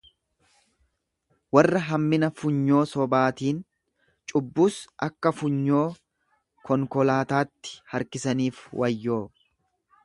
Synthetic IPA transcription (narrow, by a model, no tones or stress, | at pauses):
wɐrːɐɦɐmːɪnɐfʊɲːo̞ːsɔbaːt̪iːn | t͡ʃʼʊbːuːsʔɐkːɐfʊɲːo̞ː | kʰɔŋkɔlaːt̪aːt̪ːɪ̥hɐɾkɪsɐniːfwʔɐjːo̞ː